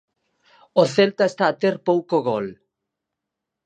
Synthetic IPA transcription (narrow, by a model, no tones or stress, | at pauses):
oθelt̪aest̪aːt̪eɾpowkoɣɔl